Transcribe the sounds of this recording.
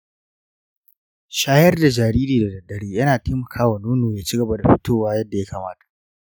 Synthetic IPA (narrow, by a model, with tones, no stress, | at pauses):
ʃaː˦jɐ˦rda˨d͡ʒaː˨ɾiː˦ɾiː˨da˨dɐ˨dːɐ˨ɽiː˦jɐ˦naː˨tʰeː˦mɐ˨kʰaː˦wa˨noː˦noː˨jaː˦t͡ʃi˦ɡɐ˨ba˦da˨ɸɪ̥˦toː˦waː˦jɐ˦dːa˨ja˦kaː˨maː˦tḁ˨ʔ